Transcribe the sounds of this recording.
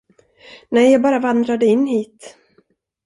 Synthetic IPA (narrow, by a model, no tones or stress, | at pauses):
nɛjɑːɡbɑːɾavand̪ɾad̪əɪnːɦiːt̪